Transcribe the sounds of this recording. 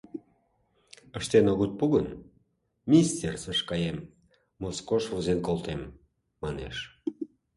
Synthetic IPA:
əʃt̪enoɣut̪̚puɣən | mʲinʲist̪ʲersəʃkɑjem | moskoʃvuzenkolt̪emː | ɑnḛʃ

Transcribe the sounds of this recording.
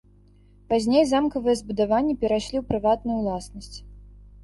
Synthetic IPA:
pazʲnʲejzamkɐvɨjɛzbud̪avanʲːipʲɛɾaʂlʲiwpɾɨvat̪nujuwlˠasnɐsʲt͡sʲ

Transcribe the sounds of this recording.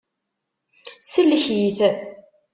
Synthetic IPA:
səlːəçjiθ

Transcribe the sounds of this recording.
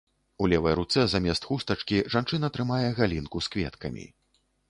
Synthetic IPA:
ulʲɛvɐjɾut̪sɛzamʲɛst̪xust̪ɐt͡ʂkʲiʐant͡ʂɨnɐt̪ɾɨmajɛɣalʲinkuskvʲɛ̰t̪kɐmʲḭ

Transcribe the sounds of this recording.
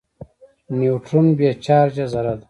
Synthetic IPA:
niwʈʰunbeːt͡ʃaːɾd͡ʑɐzɐɾɐd̪

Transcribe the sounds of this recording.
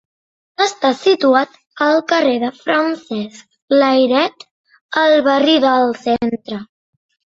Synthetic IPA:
əst̪asit̪uat̪ | əlˠkəreðəfɾənsɛsk̚ | ləjɾɛt̪ | əlˠβəriðəlˠsent̪ɾə

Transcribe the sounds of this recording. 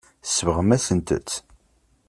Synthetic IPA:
əsːəvəʁəmæsənt̪ə̰t͡s̪ː

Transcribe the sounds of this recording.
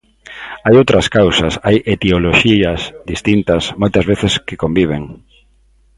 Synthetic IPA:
ajowt̪ɾɐskawsɐsajet̪eoloʃiɐsd̪ist̪int̪ɐsmojt̪ɐzβeθeskekombiβ̞eŋ

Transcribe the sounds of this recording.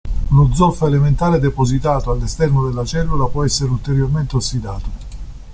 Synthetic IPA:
ulod̪zɔlfaelement̪aːɾed̪epozit̪aːt̪oalːest̪ɛrnod̪elːat͡ʃɛlːulapwɔɛsːeɾult̪eɾjorment̪eosːid̪aːt̪o

